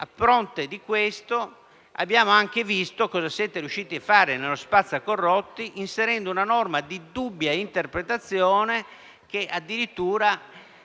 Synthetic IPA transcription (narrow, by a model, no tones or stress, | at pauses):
a̰pːɾɔnt̪ed̪ikwest̪o | a̰bːjaːmoaŋk̟evist̪okɔːzasjɛt̪eɾiuʃːiːt̪iafːaːɾenelospat̪sːakorːɔt̪ːiʔinseɾɛnd̪ounanɔrmad̪id̪ubːjaint̪erpɾet̪at̪sːjɔːne | k̟eʔad̪ːiɾit̪ːuːɾa